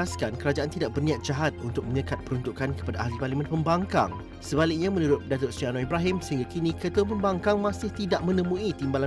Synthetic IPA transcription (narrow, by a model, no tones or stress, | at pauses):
askankəɾad͡ʒaʔant̪idaʔ̚bərnĩat̪̚d͡ʒaɦat̪̚unt̪ʊk̚mə̃ɲə̃kat̪̚pəɾunt̪uʔkːankə̥padaʔːɦliparlimə̃npəmbaŋka̰ŋ | səbalɪk̚ɲamə̃nuɾʊt̪̚dat̪ʊrsianɔibɾaɦɪmsəɦĩŋɡakinĩkət̪əwəp̬əmbaŋkaŋmãsɪht̪idaʔ̚mə̃nə̃mũit̪imbala